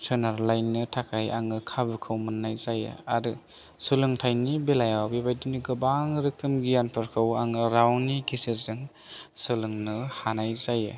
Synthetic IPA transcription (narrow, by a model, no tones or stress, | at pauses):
sʰɯnaɾlajnːɯtʰakʰaja̰ŋɯkʰabɯkʰɯwmɯnːajzajɯ̰aɾɯ | sɯlɯŋtʰajnibelajawbebajduniɡɯbaŋɾɯkʰɯmɡijanpʰɯɾkʰɯwaŋɯɾawniɡʰisɯzɯŋ | sɯlɯŋnɯhanajzajɯ̰